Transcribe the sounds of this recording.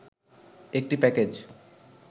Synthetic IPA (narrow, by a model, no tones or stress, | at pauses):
ek̚ʈipɛked͡ʑ